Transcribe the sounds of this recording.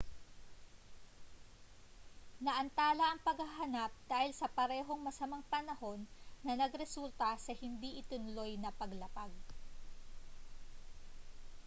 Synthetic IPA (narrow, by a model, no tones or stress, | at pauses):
nɐʔɐnt̪aːlɐʔɐŋpɐɡhaɦɐnap̚d̪̥aːhɪlsɐpɐɾɛːɦo̞ŋmɐsɐmaŋpɐnɐho̞nːɐnɐɡɾɛsult̪ɐsɐhɪnd̪iʔɪt̪ɪnʊlo̞jnɐpɐɡlɐpaɡ̚